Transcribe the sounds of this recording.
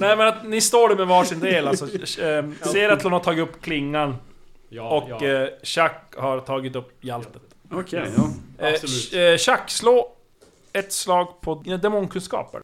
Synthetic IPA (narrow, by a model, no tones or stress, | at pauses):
nɛɪmɛnat̪nɪst̪oːɖɛmɛvɑːʂɪnd̪eːlalsɔ | seːɾat̪ʰːlanhatʰɑːɡɪt̪ɵpːkʰlɪŋːan | ɔkɕakhaɾt̪ʰɑːɡɪt̪ɵpːjɛlt̪ə̥t̪ | ɕakːsloː | ɛt̪slɑːɡpʰɔd̪ɛmʊnkʰɵnskɑ̰ːpə̰ɾ